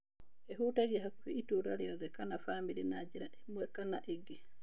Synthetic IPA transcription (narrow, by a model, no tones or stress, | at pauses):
ʔɛɦuːtaɡiɦakfiituɾalijɔdɛkanafaːmbiɾinaːd͡ʒiɾaɛmːuɛkanaʔeɡːi